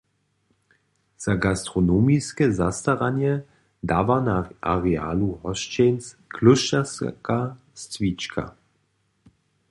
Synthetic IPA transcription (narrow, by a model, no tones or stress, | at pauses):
z̥aɡast̪ɾɔnomiskɛzast̪aʁaɲjɛ | d̪aːvanaʔaʁɛa̰ːluɦɔʃt͡ʃɛns | kʰlʊʃaska | st͡svit͡ʃkʰa̰